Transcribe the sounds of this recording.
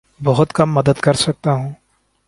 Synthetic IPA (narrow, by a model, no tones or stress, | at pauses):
bɐɦʊt̪kɐmːɐd̪əd̪kɐɾsɐk̚t̪aɦũː